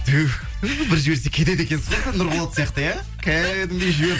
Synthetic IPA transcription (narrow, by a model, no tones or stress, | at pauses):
t̪ʰʉ | bɪɾʒe̞ɾs̬e̞kʲʰe̞d̪ed̪e̞kʲe̞nsɑsenʊɾʁʊlˠɑt̪sijɑqt̪əja | kʲʰæd̪ɪmd̪ejʒɪβeɾ